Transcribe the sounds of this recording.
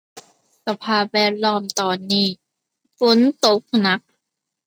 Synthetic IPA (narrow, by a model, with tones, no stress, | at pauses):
sa˧pʰaː˧˩wɛː˧˩t̪̚lɔː˧˥˩mt̪ɔː˨˩nːiː˧˩ | fo˨˦nt̪o˦˥k̚na˦˥k̚